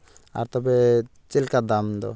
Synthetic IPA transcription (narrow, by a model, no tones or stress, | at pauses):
a̰ɾt̪ɔbe | t͡ʃilkad̪amd̪ɔ̰